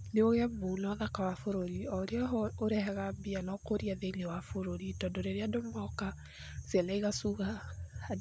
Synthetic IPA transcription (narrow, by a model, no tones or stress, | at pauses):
neoɣɛmunɔðakawafoɾoɾiɔɾeɔoɾɛɦɛɣabianɔkoɾiaðeŋɡewafoɾoɾitɔndoɾeɾeadomɔka | sjalaiɣasuɣa